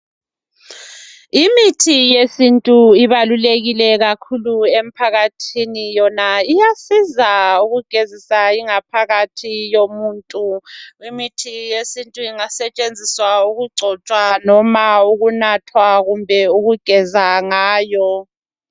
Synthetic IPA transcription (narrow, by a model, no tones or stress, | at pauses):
imitʰijesintʼuiβaluleɣilɛɣakʰuluem̩pʰaɣatʰinijɔnaijasizauɣuɡ̥ʱezisaiŋapʰaɣatʰijomuːntʼuimitʰijesintʼuiŋasɛt͡ʃʼend͡zʱiswauɣuɡ͡ǀʱɔt͡ʃʼwanɔmauɣunatʰwaɣumbʱɛuɣuɡ̥ʱɛzaŋaːjɔ